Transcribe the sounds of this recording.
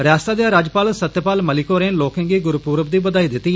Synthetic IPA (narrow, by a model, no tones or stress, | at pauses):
ɾjaːst̪aːd̪eaːɾaːd͡ʒpaːlsət̪ːjəpaːlməlɪkoːɾẽːloːkẽːŋɡiːɡʊɾpuːɾəbd̪iːbəd̪aːiːd̪ɪt̪ːiː